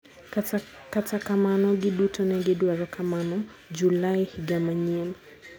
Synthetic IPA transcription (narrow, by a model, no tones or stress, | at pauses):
katakamanɔɡiɗutɔnɛɡɛɗuaɾɔkʰamanɔ | d͡ʒulaihiɡamaɲɛm